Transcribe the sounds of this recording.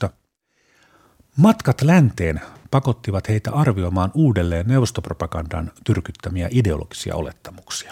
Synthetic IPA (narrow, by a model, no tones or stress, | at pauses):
ɑ | mɑt̪kɑt̪lænt̪e̞ːnpɑko̞t̪ːiʋɑt̪he̞ijt̪æ̰ɑrʋio̞mɑːnuːde̞lːe̞ːnːe̞wʋo̞st̪opro̞pɑɡɑndɑ̰nt̪yrkyt̪ːæmiæ̰ʔide̞o̞lʔo̞̰ɡ̥i̥siɑ̰ʔo̞̰le̞t̪ːɑmuksi̥ɑ̥